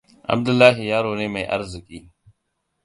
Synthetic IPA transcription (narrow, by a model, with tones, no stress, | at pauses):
ʔɐ̰˨b̚d̪ʊ˦lːaː˦ɦɪ˨jaː˦ɾoː˨neː˦mɐ˨jʔɐ̰˦ɾzɪ˨kʼiː˦